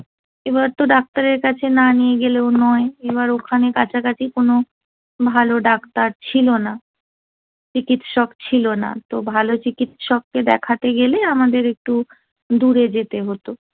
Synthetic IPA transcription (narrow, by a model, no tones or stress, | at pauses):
ebaɾt̪oɖak̚t̪aɾeɾkat͡ɕʰenanijeɡeleonɔeeβaɾokʰanekat͡ɕʰakat͡ɕʰikono | bʱaloɖakt̪aɾt͡ɕʰilona | t͡ɕikit̪ʃɔkt͡ɕʰilona̰t̪obʱalot͡ɕikit̪ʃɔkːed̪ɛkʰat̪eɡeleamad̪eɾek̚ʈu | d̪uɾed͡ʑet̪eɦot̪o